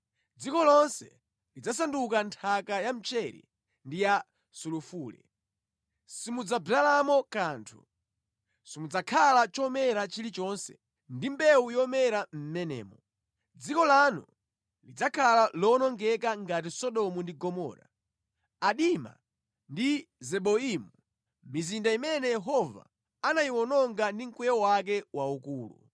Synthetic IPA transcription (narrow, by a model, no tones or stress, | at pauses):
d͡zikɔlɔnsɛ̰ | lid͡zasandukantʰakajam̩t͡ʃɛɾḭ | ndija | sulufuːlɛ̰ | simud͡zablalamɔkaːntʰṵ | simud͡zakʰalat͡ʃɔmɛɾat͡ʃilit͡ʃɔnsɛ̰ | ndimbɛujɔmɛɾam̩mɛnɛ̰ːmɔ | d͡zikɔlanṵ | lid͡zakʰalalɔnɔŋɡɛkaŋɡatisɔɗɔmundiɡɔmɔ̰ːɾa̰ | aɗima̰ | ndizɛɓɔimu | mmizindaimɛnɛjɛɦɔva̰ | anajiwɔnɔŋɡandiŋ̩kwɛjɔwak̬ɛwaukuːlṵ